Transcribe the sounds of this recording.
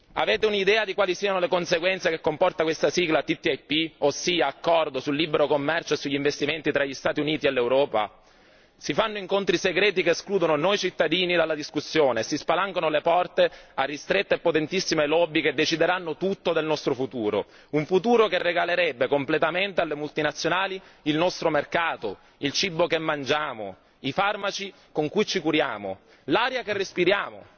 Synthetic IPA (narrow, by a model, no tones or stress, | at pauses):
a̰vɛːt̪eunid̪ɛːad̪ikwaːlisiːanolekonseɡwɛnt̪sekekːompɔrt̪akwest̪asiːɡlat̪it̪ːiajpiosːiːaːkːɔrd̪osulːiːbeɾokomːɛrt͡ʃoesːuʎːiɱvest̪iment̪it̪ɾaʎːist̪aːt̪iuniːt̪ielːewɾɔːpa̰ | sifanːoiŋkont̪ɾiseɡɾɛːt̪ikeːskluːd̪ononojt͡ʃit̪ːad̪iːnid̪alːad̪iskusːjoːnesispalaŋkonolepɔrt̪earːist̪ɾet̪ːeepːot̪ent̪isːimelɔbːiked̪ːet͡ʃid̪eɾanːot̪ut̪ːod̪elnɔst̪ɾofut̪uːɾo̰ | uɱfut̪uːɾokerːeɡaleɾɛbːekomplet̪ament̪ealːemult̪inat̪sːjonaːliilnɔst̪ɾomerkaːt̪o | ilt͡ʃibːokemːand͡ʒaːmo̰ | ifarmat͡ʃi | koŋkujt͡ʃikuɾjaːmo̰ | laːɾjakerːespiɾjaːmo̰